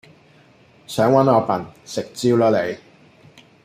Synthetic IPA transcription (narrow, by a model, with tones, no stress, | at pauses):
sœː˨˥ŋwɐ˨˥nɔː˨˧fɐ˨˩nsɪ˨k̚t͡siː˥wlɔː˧le˨˧j